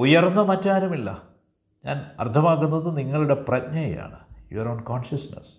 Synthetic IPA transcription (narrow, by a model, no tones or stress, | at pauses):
ujɐrnːɐmɐtːaːɾɐmilːɐ | ɲa̰ːnɐ̰rt̪ʰːɐmaːɣunːɐðɨniŋːɐɭuɽe̞prɐɲɐj̰ja̰ːɳɨjuɐɾoːɳkoːɳʂɐsnɐ̰s